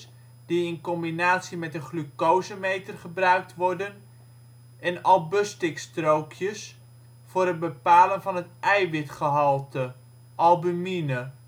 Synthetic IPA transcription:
d̥iɪnkɔmbinaːtsimɛtənχlykowzəmejtərχəbrœɥk̚tʋɔrdən | ɛnɑlˠbøstɪkstrowkʰjəs | fʊːɾɦəd̚bəpaːlənvɑnɦətʔɛjʋɪtχəɦɑlˠtə | ʔɑlˠbyminə

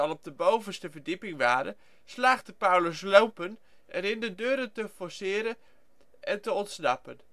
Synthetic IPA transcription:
ɑlˠɔp̚dəbowvənstəvəɹdipɪŋʋaːɾə̰ | slaːχdəpawləslowpən | ɛnɪndədøːɾəntəfɔɹsɪːɾə | ʔɛntəɔntsnɑpən

